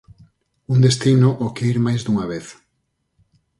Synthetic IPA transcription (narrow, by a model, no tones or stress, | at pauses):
und̪est̪inʊʔokeiɾmajzd̪uŋaβeθ